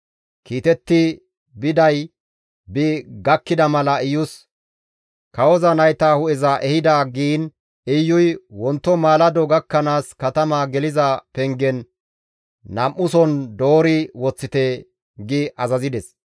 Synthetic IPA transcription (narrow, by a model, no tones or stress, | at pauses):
kiːt̪ɛt̪ːɪ | bɪd̪ɐj | bɪɡɐkːɪd̪ɐmɐlɐɪjʊs | kɐwɔzɐnɐjt̪aːhʊɛzaʔɛhɪd̪aːɡiːn | ɪjːʊjwɔnt̪ːɔmaːlɐd̪ɔɡɐkːɐnaːskɐt̪ɐmaːɡɛlɪzɐpɛŋɡɛnː | ɐmʔʊsɔnd̪o̞ːɾɪwɔt͡sːɪt̪ɛ | ɡɪʔɐzɐzɪd̪ɛs